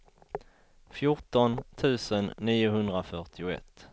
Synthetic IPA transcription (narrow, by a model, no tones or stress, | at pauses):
fjʊʈɔnt̪ʰʉ̟ːsənːiːʊɦɵnd̪ɾafœʈɪʊɛ̰t̪ː